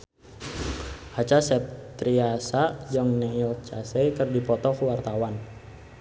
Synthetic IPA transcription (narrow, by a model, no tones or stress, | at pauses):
hat͡ʃasɛp̚t̪ɾiasad͡ʒaŋnɛlt͡ʃasɛjkərdipɔt̪ɔkəwart̪awan